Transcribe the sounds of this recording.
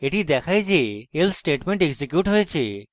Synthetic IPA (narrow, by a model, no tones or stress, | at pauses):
eʈid̪ɛkʰajd͡ʒeelsʈeʈmeɳʈeɡsekjuʈɦojt͡ʃʰe